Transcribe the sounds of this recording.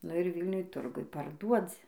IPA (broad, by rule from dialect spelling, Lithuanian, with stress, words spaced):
nʊ ɪr ˈʋʲiːlʲnʲʊj ˈtʊrɡʊj pɐrˈduɔd͡zʲɪ